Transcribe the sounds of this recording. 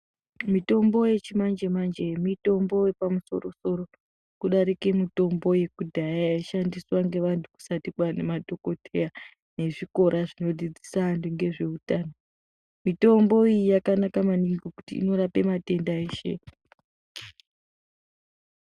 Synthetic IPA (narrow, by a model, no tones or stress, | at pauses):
mito̞mbo̞je̞t͡ʃimand͡ʒemand͡ʒemito̞mbo̞je̞pamuso̞̰ɾo̞so̞ɾo̞ | kuɗaɾikemito̞mbo̞je̞kudʱajajaʃandiswaŋɡe̞ʋantʰuku̥satikwane̞madʱo̞ko̞tʰe̞ja | ne̞ʐiko̞ɾʔaʐino̞d͡zid͡zisaantuŋɡe̞ʐe̞utaːno | mito̞mboijijakanakamaniŋɡokutḭḭno̞ɾape̞mate̞ndaeʃe̞̰